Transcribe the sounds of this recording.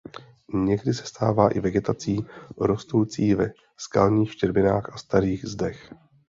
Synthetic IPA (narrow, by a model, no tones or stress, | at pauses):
ɲɛɡdɪsɛ̥st̪aːvaːʔɪvɛɡɛt̪at͡siːɾo̞st̪owt͡siːvɛ | skalɲiːxʃcɛɾbɪnaːxʔast̪aɾiːɣzdɛx